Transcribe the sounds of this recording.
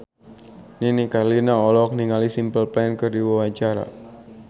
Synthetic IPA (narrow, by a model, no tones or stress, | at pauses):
ninikarlinaɔlɔk̚niŋalisimpəlpankɨrdiwiwat͡ʃaɾa̰